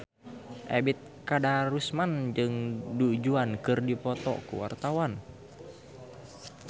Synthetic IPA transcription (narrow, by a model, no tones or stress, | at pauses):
ʔebit̪̚kadaɾusmand͡ʒɨŋdud͡ʒuankɨrdipɔt̪ɔ̰kṵwa̰rt̪awan